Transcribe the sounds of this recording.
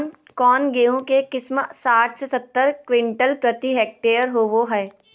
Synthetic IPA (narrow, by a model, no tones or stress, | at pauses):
n | kɔːnɡeːõkekɪsmsaːʈʰsesɐt̪ːəɾkʋɪ̃ɳʈəlpɾɐt̪iɦɛːk̚ʈeːəɾɦoːʋoɦɛː